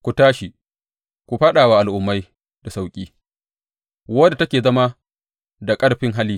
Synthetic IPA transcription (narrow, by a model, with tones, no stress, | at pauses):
kʷu˨taː˦ʃi˨ | kʷu˨ɸaː˦ɗaː˨waː˦˨ʔa˨lʔʊ˨mːa˦j | da˨sa˦˨wkʲʼiː˦ | wɐ˦da˨tɐ˦kʲeː˨zɐ˦ma˦ | da˨kʼɐ˦ɽɸɪ˦ŋɦa˦liː˦